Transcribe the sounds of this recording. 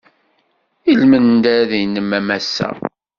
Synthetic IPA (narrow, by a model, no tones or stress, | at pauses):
ilmənd̪æðinːəmːæmæsːæ̰